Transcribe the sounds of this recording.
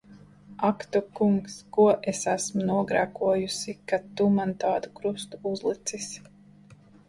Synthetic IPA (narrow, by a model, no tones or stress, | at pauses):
akt̪ukuŋkskuɔʔesæsmunuɔɡɾakuɔjusikat̪ːumant̪aːd̪ukɾust̪uuzlˠit̪sis